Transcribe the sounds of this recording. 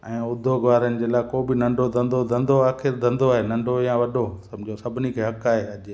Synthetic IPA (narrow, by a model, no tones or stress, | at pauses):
ɛ̃ːʊd̪ʱːoɡʋaːɾənɪ̆d͡ʑeːlaːkoːbɪnɐ̃ɳɖʱod̪ʱɐ̃nd̪ʱod̪ʱɐ̃nd̪ʱoaːxɪɾd̪ʱɐ̃nd̪oaːɦenɐ̃ɳɖʱoijãʋɐɗosɐmd͡ʑʱõsɐbʱɪnikʰeːɦɐkaːɦeɐʄ